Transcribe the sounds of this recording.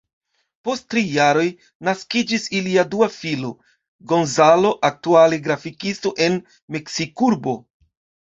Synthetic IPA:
po̞sttɾijaɾo̞j | naskid͡ʒisiliaduafilo̞ | ɡo̞nzalo̞ʔak̚tuale̞ɡɾafikisto̞ʔe̞n | me̞ksikuɾbo̞

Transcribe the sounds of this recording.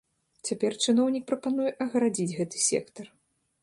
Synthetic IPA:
t͡sʲapʲɛrt͡ʂɨnɔwnʲik̚pɾɐpanujɛʔɐɣɾad͡zʲid͡zʲɣɛt̪ɨ̥sʲɛ̰kt̪ɐr

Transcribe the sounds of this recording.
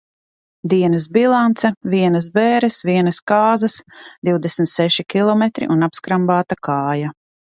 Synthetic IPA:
d̪iɛnɐsbilˠant̪sɛviɛnɐs̬bɛːɾɛsviɛnɐskaːzɐsd̪iwd̪esmt̪sɛʃikʲilˠɔmet̪ɾḭʔunapskɾambaːt̪akʰaːja

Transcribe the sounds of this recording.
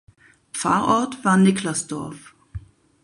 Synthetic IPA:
pp͡fa̰ːɐʔɔɐtv̥aːɐnɪklasd̥ɔɐf

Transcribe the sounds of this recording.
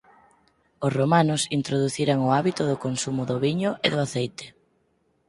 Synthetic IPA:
ʊsromanʊsint̪ɾoðuθiɾaŋʊaβit̪ʊðʊkonsumʊðʊβiɲʊʔeðʊaθejt̪ɪ̥

